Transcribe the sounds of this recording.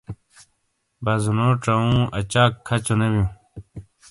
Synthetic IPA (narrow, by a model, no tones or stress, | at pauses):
bɐzunoːʈ͡ʂɐũːʔɐt͡ɕaːkʰːɐt͡ɕonebjũ